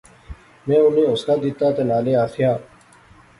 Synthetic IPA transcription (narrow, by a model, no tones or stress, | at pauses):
mɛ̃ːʊnẽːʊskaːd̪ɪt̪ːaːt̪enaːleːaːt̪ʰɪjaː